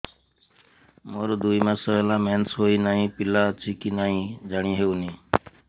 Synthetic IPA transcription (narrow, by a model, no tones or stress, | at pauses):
moːɾod̪uːiːmãːsəʋelãːmẽːnsɦoːiːnaːɦĩːpɪlaːt͡ʃʰiːkiːnaːɦĩːd͡ʒəɳĩːɦeːʊniː